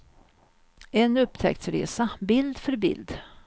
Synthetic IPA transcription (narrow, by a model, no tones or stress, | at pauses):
ɛnɵpːt̪ʰɛ̰kt̪sɾḛːsabɪld̪fœɾbɪ̰ld̪